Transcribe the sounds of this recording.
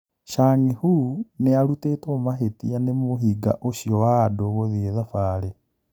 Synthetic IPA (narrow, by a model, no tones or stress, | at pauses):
ʃaːŋihunealutetomaɦetianemohiɡa̰ʔoʃjowadoɣoðieðafaːle